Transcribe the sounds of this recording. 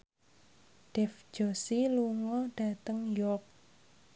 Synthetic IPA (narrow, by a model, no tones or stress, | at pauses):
ɖ̥ɛfd͡ʒ̥osiluŋɔɖ̥a̤t̪əŋjɔk̚